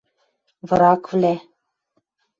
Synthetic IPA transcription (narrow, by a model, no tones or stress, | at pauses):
vɤɾɑkvlæ